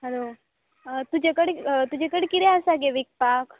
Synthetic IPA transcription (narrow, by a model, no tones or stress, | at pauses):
ɦəɾo | t̪ud͡ʑekəɽt̪ud͡ʑekəɽkit̪ɛasaɡeʋik̚pak